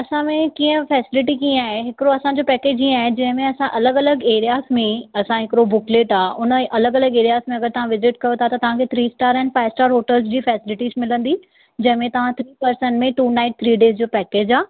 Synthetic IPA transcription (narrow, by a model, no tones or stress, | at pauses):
ɐsãmẽkiːə̃fɛːsɪlɪʈikĩːaːɦeɦɪkɪɾoɐsãɲd͡ʑoːpɛːkeːd͡ʑĩaːɦed͡ʑɐ̃ɦɪ̃mẽɐsãʔɐləɡɐləɡeːɾijaːsmẽɐsãɦɪkɪɾobʊkleːʈaːʊnəʔɐləɡɐləɡeːɾijaːsmẽɐɡəɾt̪ɐʋ̤ãʋɪzɪʈkɐjot̪ʰat̪ɐt̪ɐʋ̤ãkʰet̪ʰɾiːsʈaːɾɛ̃ːnfaːɪʋsʈaːɾɦoːʈəlsd͡ʑiːfɛːsɪlɪʈiːzmɪlə̃nd̪i | d͡ʑɐ̃ɦɪ̃mẽt̪ɐʋ̤ãt̪ʰɾiːpɐɾsənmẽʈuːnaːɪʈ̚t̪ʰɾiːɖeːsd͡ʑoːpɛːkeːd͡ʑaː